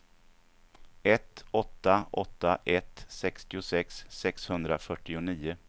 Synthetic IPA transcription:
ɛt̪ɔt̪ːaɔt̪ːaʔɛt̪sɛkst̪ɪʊsɛksːɛkshɵnd̪ɾa̰fœʈːɪʊniːʊ

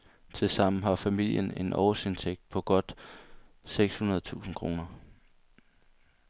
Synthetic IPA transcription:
t͡sʰe̝lsɑ̈m̰̩ɦɑ̈fæmil̰jəne̝nʔɒ̰ʊse̝nt͡sʰeɡ̥̚d̥̚pʰɒ̽ɡ̥ɒ̽d̥ | seɡ̥shunɐðˠt͡sʰṵːsn̩kʰʁo̝ːnɐ

